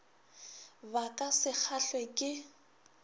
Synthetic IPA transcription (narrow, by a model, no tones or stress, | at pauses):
bakʼasɪk͡xʰaɬwɛkʼɪ